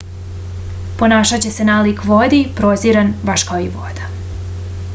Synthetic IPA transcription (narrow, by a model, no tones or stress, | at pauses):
po̞naːʃat͡ɕe̞se̞naːlikʋod̪ipɾoziɾanʋaʃkaoiʋo̰d̪a